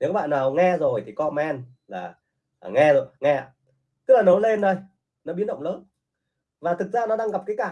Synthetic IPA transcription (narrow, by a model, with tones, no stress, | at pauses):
ne˨˦kɔ˦ɓa̰ː˧˨naː˨˩wŋɛ˧zo˨˩jt̪ʰi˨˩kɔ˧mɛ˧n | laː˨˩˨ | ŋɛ˧zo˨˩jŋɛ˧a̰ː˧˨˩ | t̪ɨ˦˥k̚laː˨˩nə˨˦le˧nɗə˧j | nɔ˨˦ɓi˨˦nɗə̰˧˨wŋ͡mləː˨˦n | vaː˨˩t̪ʰɨ˨˩k̚zaː˧nɔ˨˦ɗaː˧ŋɣa˨˩p̚kaː˨˦jkaː˧˨˩